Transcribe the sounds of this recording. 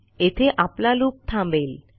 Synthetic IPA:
et̪ʰeʔaplalup̚t̪ʰãbel

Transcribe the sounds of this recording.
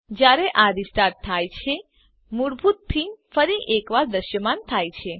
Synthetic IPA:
d͡ʒjaɾeʔaɾisʈaɾ̚t̪ʰːajt͡ʃʰe | muɽbʱut̪̚pʰinfəɾiʔekʋaɾd̪əʃjəmant̪ʰajt͡ʃʰe

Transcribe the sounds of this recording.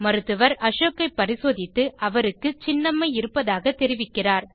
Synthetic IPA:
mɐɾɯt̪ːɯʋɐɾɐʂoːkːɐɪpːɐɾɪsoːðɪt̪ːɯʔɐʋɐɾɯkːɯt͡ʃɪnːɐmːɐɪɪɾɯpːɐðaːɣɐt̪ɛɾɪʋɪkːɪraːɾ

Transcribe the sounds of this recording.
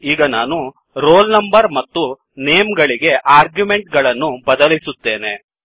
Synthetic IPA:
iːɡɐnaːnu | ɾoːlnɐmbɐɾmɐt̪ːu | ne̞ːmɡɐɭiɡe̞ʔaːɾɡjume̞ɳʈɡɐɭɐnːubɐd̪ɐlisut̪ːe̞ːne̞̰

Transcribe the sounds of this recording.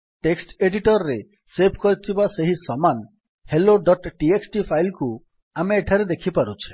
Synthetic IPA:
ʈeksʈeɖiʈɔɾɔɾe | sebʱkɔɾit̪ʰibaseɦisɔman | heloɖɔʈʈieksʈipʰajlku | ameːʈʰaɾed̪ekʰipaɾut͡ʃʰi̥

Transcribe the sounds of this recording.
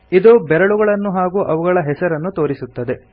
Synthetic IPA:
id̪ubɛɾɐɭuɡɐɭɐnːuɦaːɡuːʔɐʋuɡɐɭɐɦɛsɐɾɐnːut̪o̞ːɾisut̪ːɐd̪e̞

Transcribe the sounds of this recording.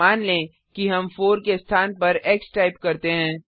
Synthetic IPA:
aːnlẽ | kiɦɐmfoːɾkest̪ʰaːnpɐɾeksʈaːɪpkɐɾt̪eɦɛ̃ː

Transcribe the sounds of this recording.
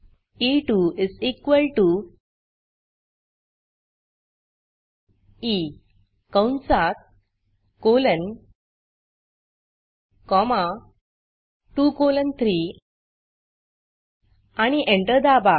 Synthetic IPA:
iʈuisikʋəlʈu | i | kə̃wnt͡sak̚ | kolən | kɔma | ʈukolənt̪ʰɾi | añiʔẽɳʈəɾd̪aba

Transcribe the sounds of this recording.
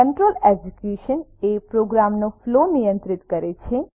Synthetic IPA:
əɳʈɾəlɛd͡ʒukuʃənepɾoɡɾamnoflonijə̃nt̪ɾɪt̪kəɾet͡ʃʰe

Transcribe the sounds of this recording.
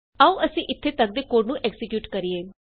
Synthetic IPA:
aũːʔəsĩːʔɪt̪ʰːeːt̪ək̚d̪eːkoːɾnũːʔɛksɪkjuːʈkəɾieː

